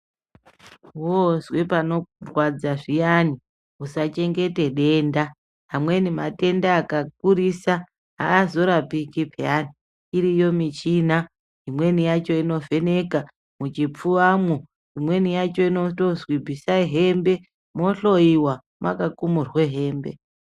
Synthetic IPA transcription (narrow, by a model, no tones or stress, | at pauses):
wozwepano̞rwad͡zaʐijani | usat͡ʃe̞ŋɡe̞te̞ɗe̞nda | ɦamwe̞nimate̞ndaːkak̚uɾisa | ɦa̰ːzo̞ɾapikipʰeani | iɾijo̞mit͡ʃina | ɦimwe̞nijat͡ʃo̞ino̞ve̞ne̞ka | mut͡ʃip͡fuamu | imwe̞nijat͡ʃo̞ino̞tozwibʱisaiɦembe̞ | mo̞ɬo̞iwa | makakumurweɦe̞ːmbe̞̰